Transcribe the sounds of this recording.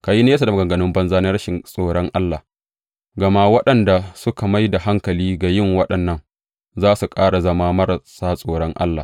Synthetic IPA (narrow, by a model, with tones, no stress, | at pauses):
ka˨ji˦neː˦sa˨da˨m˨ɡɐ˨ŋɡɐ˨nɪ˦mbɐ˦nzaː˦neː˦ɾɐ˦ʃɪ˨nsʼoː˨ɽɔ˦ŋʔa˦lːa˨ | ɡɐ˨ma˦wɐ˦ɗɐ˨nda˨sʊ˦ka˨ma˦jda˨ɦa˦ŋkɐ˨liː˦ɡa˨jɪ˦˨ŋwɐ˦ɗɐ˨nːɐ˦ŋ | zaː˦su˨kʼaː˦ɽa˨zɐ˦maː˦mɐ˦ɾsaː˦sʼoː˨ɽɔ˦ŋʔa̰˦lːa̰˨